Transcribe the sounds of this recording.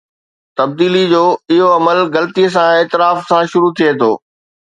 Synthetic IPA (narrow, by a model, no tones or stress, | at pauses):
t̪ɐb̚d̪iːlid͡ʑoːɪɦoɐməlɣɐlət̪iəs̬ãeːt̪ɪɾaːfsãʃʊɾut̪ʰiet̪ʰo̰ː